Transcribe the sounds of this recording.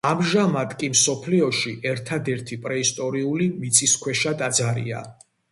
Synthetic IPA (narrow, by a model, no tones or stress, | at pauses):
amʒamad̪kʼimsɔpʰliɔʃiʔɛɾt̪ʰad̪ɛɾt̪ʰipʼɾɛist̪ʼɔɾiulimit̪sʰʼiskʰwɛʃad̪ad̪zaɾḭa̰